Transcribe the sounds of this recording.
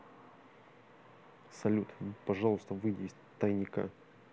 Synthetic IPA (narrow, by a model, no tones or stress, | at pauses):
sɐlʲut̪pɐʐɑlˠʊst̪əvɨjdʲɪɪsʲ | t̪ɐjnʲɪka̰